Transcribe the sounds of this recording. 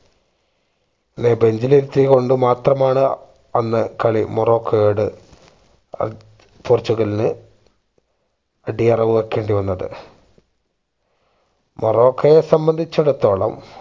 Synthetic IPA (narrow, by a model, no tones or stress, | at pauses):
inːebe̞ɲd͡ʑiliɾt̪ːiko̞ɳɖɨmaːt̪rɐmaːɳɨ | ɐnːɨkɐɭimuro̞ːkʰːɐjoɽɨ | pʰoːrt͡ɕːuɣɐlinɨ | ɐɖiɐrɐʋɨʋekːeːɳɖiʋɐnːɐðɨ̰ | muro̞ːkʰːɐjesɐmbɐnd̪ʱit͡ɕːuɽɐt̪o̞ːɭɐ̰m